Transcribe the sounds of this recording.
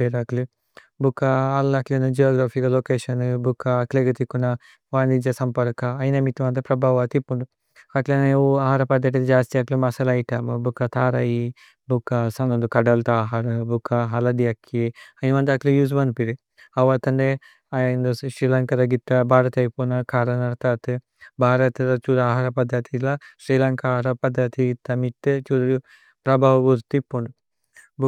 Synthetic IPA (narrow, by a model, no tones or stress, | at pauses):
beɾakli | bukːɐːlːɐklinud͡ʒijaːɡɾaːfʰiɡɐloːkeːʃɐnbukːɐkleɡɐt̪ikːunɐ | ʋaːnid͡ʒɐsɐmpɐɾkɐːjnɐmit̪ːuʋɐnt̪ɐpɾɐbʱaːʋɐt̪ipːuɳɖu | kɐʈlɐnɐuaːɦaːɾɐpɐd̪ːɐʈ̬ild͡ʒaːst̪ijɐklimɐsɐlɐjʈɐmubukːɐt̪ʰaːɾɐji | bukːɐsɐnɐnd̪ukɐɖɐlt̪aːɦaːɾɐbukːaɦɐlɐd̪ijɐkʰːiɐniʋɐnd̪ɐklijuːs̬bɐnd̪piɾi | ɐʋɐt̪ɐɳɖe | ajjnd̪uʃɾiːlɐŋkɐɾɐɡit̪ːɐbaːɾɐt̪ɐjpunɐkʰaːɾɐnɐɾt̪at̪ɨ | bʱaːɾɐt̪ɨɾɐt͡ʃuɾaːɦaːɾɐpɐd̪ʱːɐt̪ilaʃɾiːlɐŋkaːɾɐpɐd̪ʱːɐt̪ʰiɡit̪ːɐmit̪ːɨt͡ʃuɾu | pɾɐbʱaːʋɐɡuɾt̪ipːoɳɖu | b